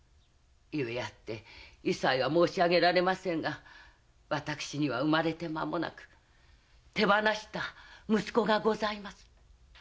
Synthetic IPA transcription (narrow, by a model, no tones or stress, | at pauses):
jɯejat̪ːe̞isaiβamo̞ːɕiaɡe̞ɾaɾe̞masẽ̞ŋɡa | βat̪akɯ̟̥ɕiɲ̟iβa̰ɯ̟maɾe̞t̪e̞mamo̞na̰kɯ̥ | t̪e̞banaɕi̥t̪amɯ̟sɨ̥ko̞ɡaɡo̞zaimasɨ̥